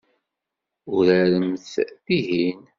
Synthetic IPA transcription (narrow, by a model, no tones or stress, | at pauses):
ʊɾæɾəmθðiɦin